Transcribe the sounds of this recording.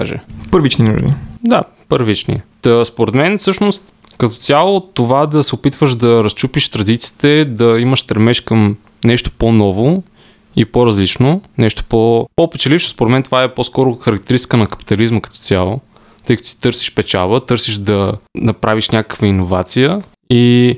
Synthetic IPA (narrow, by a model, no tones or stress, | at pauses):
a̰ʒɛ̰pəɾvit͡ʃninṵʒnḭd̪a | pəɾvit͡ʃnḭəspoɾɛd̪mɛnfsɤʃnost̪ | kɐt̪ɔ̥tsʲalˠot̪ovad̪ɐsɛopit̪vəʃd̪ɐɾɐst͡ʃupiʃt̪ɾɐd̪it̪si̥ːt̪ɛd̪ɐiməʃst̪ɾɛmɛʃkɐm | nɛʃt̪o̥ponɔvo | ipoɾɐzlit͡ʃnonɛʃt̪o̥popopɛt͡ʃɛlifʃɪ̥spoɾɛt̪mɛnt̪ovaɛpɔskɔɾoxɐɾɐk̚t̪ɛɾisi̥kənɐkɐ̥pi̥t̪ɐlizməkɐ̥t̪ɔ̥t̪sʲjalˠo | t̪ɤjkət̪osi̥t̪ɤɾsi̥ʃpɛt͡ʃa̰bət̪ɤɾsiʃd̪ɐnɐpɾʔaviʃnʲakə̥kvəinovat̪sijə | i